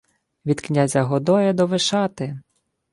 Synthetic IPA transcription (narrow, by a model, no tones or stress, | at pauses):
ʋʲid̪knʲazʲɐɦɔd̪ɔjɛd̪ɔʋɪʃɑt̪ɪ